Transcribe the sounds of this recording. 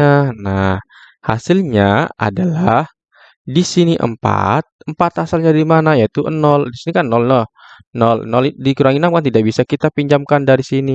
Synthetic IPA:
anah | ha̰sɪlɲaa̰dalah | disiniʔə̰mpa̰t̪̚əmpat̪hasalɲadimanajait̪uʔə̰nɔldisinikannɔlnɔh | nɔlə̰nɔldikuɾaŋinamkant̪idaʔ̚bisakit̪apiɲd͡ʒamkandaɾisini

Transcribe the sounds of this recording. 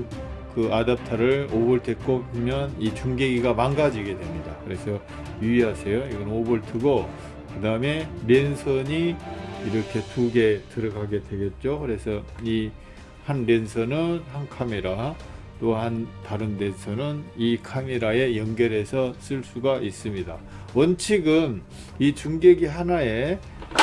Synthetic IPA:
nkɯadap̚tʰaɾɯɭobɯɭtwe̞k͈opumjʌnit͡ɕuŋɡe̞ɡiɡamanɡad͡ʑiɡe̞dwe̞mɲidakɯɾe̞sʰʌ | jiiɦasʰejoiɡʌnobɯɭtʰɯɡo | kɯdaɯme̞ɾe̞nsʰʌɲiiɾʌkʰe̞tuɡe̞tɯɾʌɡaɡe̞dwe̞ɡe̞t̚t͡ɕ͈okɯɾe̞sʰʌi | hanɾe̞nsʰʌnɯnhankʰame̞ɾa | t͈ohantaɾɯnɾe̞nsʰʌnɯnikʰameɾae̞jʌŋɡjʌɾe̞sʰʌs͈ɯɭs͈uɡaʔis͈ɯmɲida | ʌnt͡ɕʰiɡɯn | it͡ɕuŋɡeɡiɦanae̞

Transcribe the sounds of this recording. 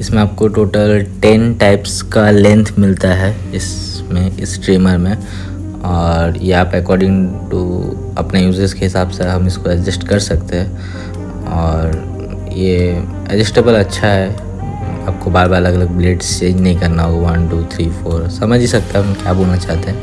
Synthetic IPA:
ɪsmẽaːp̚koʈoːʈəlʈeːnʈaːɪpskalɛ̃nt̪ʰmɪlt̪aɦɛ | ɪs | mẽɪsʈɾiːməɾmẽ | ɔːɾjeaːpɛkɔːɾɖɪ̃ŋɡʈṵ | ɐ̰pnejuːzəskeɦɪsaːbseɦɐmɪskoɛd͡ʒɪsʈkɐɾsɐkt̪eɦɛ̃ | ɔːɾ | je | ɛ̰d͡ʒɪsʈeːbəlɐtːʃʰaɦɛ | aːp̚kobaːɾbaːɾlɐɡɐləɡ̚bleːʈst͡ʃẽːɲd͡ʒnɐɦĩkɐɾnaɦooʋɐnʈuːt̪ʰɾiːfoːɾsɐməd͡ʒʱisɐk̚t̪aɦɛʊnkiaːboːnat͡ʃaːɦt̪eɦɛ̃ː

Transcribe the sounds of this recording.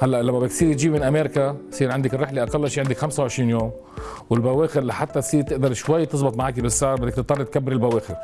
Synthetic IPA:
halːaʔlamːabdkt̪siːɾjt̪ʒiːmɪnʔameːɾkasiːɾʕɪnd̪ɪkɪrːɪħleʔaqalːaʃiːʕɪnd̪ɪkxamsawʕɪʃɾiːnjoːm | wɪlbaweːxɪɾlaħat̪ːat̪siːɾt̪ɪʔd̪ɑɾˤʃwajːt̪ɨzˤbɨt̪ˤmaʕaːkibɪsːaːɾˤbɪd̪ːɪkt̪ɨt̪ˤːɑrːit̪̚kabːɪɾɪlbaweːxɪɾ

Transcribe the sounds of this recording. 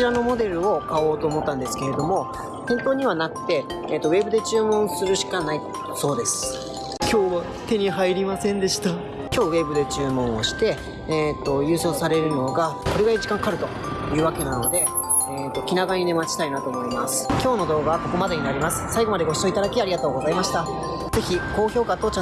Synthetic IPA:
iɾano̞mo̞d̪e̞ɾɯ̟o̞kao̞ːt̪o̞ːmo̞t̪ːãnd̪e̞sɨ̥ke̞ɾe̞d̪o̞mo̞ | t̪ẽ̞nt̪o̞ːɲ̟iβ̞anakɯ̟̥t̪e̞ː | t̪ːo̞βe̞bɯd̪e̞t͡ɕɨːmõ̞ɰ̃sɨɾɯ̟ɕi̥kanai | so̞ːd̪e̞sɨ̥ | kʲʰo̞ːβa | t̪e̞ɲ̟iɦaiɾʲimasẽ̞nd̪e̞ɕi̥t̪a | kʲo̞ːβe̞bɯ̟d̪e̞t͡ɕɨːmõ̞ɰ̃oɕi̥t̪e̞ː | t̪ːo̞jɯ̟ːso̞ːsaɾe̞ɾɯ̟no̞ɡako̞ɾeɡaiɯʑikãŋkaɾɯ̟t̪o̞ | jɯ̟ːβake̞nano̞d̪e̞ | et̪ːo̞kʲinaɡaɲ̟inemat͡ɕi̥t̪ainat̪o̞ːmo̞imasɨ̥kʲo̞ːno̞d̪o̞ːɡaβko̞ko̞mad̪e̞ɲ̟inaɾʲimasɨ̥saiɡo̞mad̪e̞ɡo̞ɕi̥soit̪ad̪akʲiaɾiɡat̪o̞ːɡo̞zaimaɕi̥t̪a | ze̞çiko̞ːço̞ːkat̪o̞t͡ɕã

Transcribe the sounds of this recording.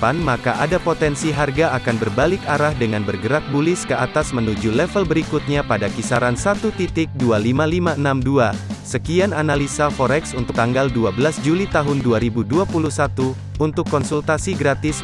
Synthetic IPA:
panmakaʔadapot̪ɛnsiɦarɡaakanbərbalɪkaɾahdəŋanbərɡəɾak̚bulɪskəat̪asmənud͡ʒulɛfəlbəɾikut̪̚ɲapadakisaɾansat̪ut̪it̪ɪk̚dualimalimaʔənamduasəkiananalisafoɾɛksunt̪ʊk̚t̪aŋɡalduabəlasd͡ʒulit̪aɦʊnduaɾibuduapuluhsat̪u | unt̪ʊkːɔnsult̪asiɡɾat̪ɪs

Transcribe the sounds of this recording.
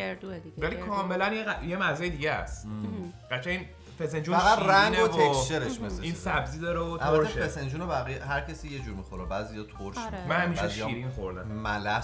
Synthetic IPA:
eɾd̪ud̪ivælikʰɒːmelænjeæjemæzɒːjed̪iːɟeæ̰sɢ̥æt͡ʃʰæin | fesend͡ʒunæɣæɾæŋɡneovʰokʃeɾeʃmesiːnsæbziːd̪ɒɾeot̪ælboætːɾʰeʃeesend͡ʒunobæɣijeɦæɾcʰesiːjed͡ʒuːɾmixoɾebæːzijɒt̪ʰoɾʃʃmimænhæmiːʃɛʃiɾinxoɾd̪æ̰mmælæ

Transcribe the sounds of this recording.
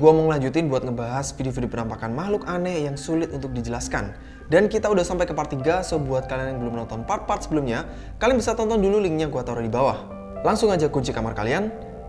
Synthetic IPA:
ɡuaməŋəlaɲd͡ʒut̪inbuat̪̚ŋəbaɦaspidifidipənampakanmahlʊkanɛjaŋsulɪt̪̚unt̪ʊk̚did͡ʒəlaskan | dankit̪audahsampajkəpart̪iɡasobuat̪̚kalianjaŋbəlʊmnɔnt̪ɔnpar̚part̪səbəlumɲa | kalɪŋbisat̪ɔnt̪ɔndululiŋɲaŋkuat̪auɾadibawah | laŋsʊŋad͡ʒakuɲt͡ʃikamarkalian

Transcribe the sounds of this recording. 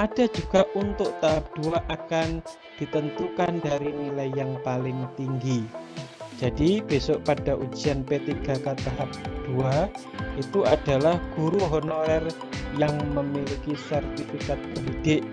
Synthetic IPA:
ʔad̥a̤d͡ʒuɡ̥aʔunt̪ʊʔt̪aɦap̚d̥uaʔakan | d̥i̤t̪ənt̪ukandaɾinilajjaŋpalɪŋt̪iŋɡi | d͡ʒ̥ad̥ib̥e̤sɔʔpad̥a̤ʔu̥d͡ʒi̤anpet̪iɡ̥a̤kat̪aɦap̚d̥ua | ʔit̪uʔad̥alahɡ̥uɾuɦɔnoɾɛr | jaŋməmilikisart̪ifik̪at̪̚pəbid̥ɪʔ

